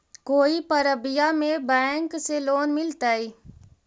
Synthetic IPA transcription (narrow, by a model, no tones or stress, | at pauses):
koːipəɾəbɪjamẽbɛŋkseloːnmɪlt̪aːiː